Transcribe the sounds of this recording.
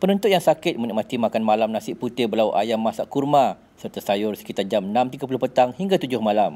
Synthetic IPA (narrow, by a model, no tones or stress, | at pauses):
pənənt̪ʊt̪̚jaŋsakɪt̪̚mənik̚mat̪imakanmalamnãsɪʔput̪ɪbəlawʔa̰jamːasaʔkurmã | sərt̪asajʊrsə̥kit̪ard͡ʒamənãmt̪iɡap̬ulʊhpət̪aŋhiŋɡat̪ud͡ʒʊhmalam